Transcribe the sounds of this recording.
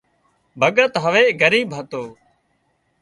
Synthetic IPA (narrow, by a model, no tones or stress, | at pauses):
bʱəɠət̪ɦəʋeːɡəɾiːbʱɦət̪oː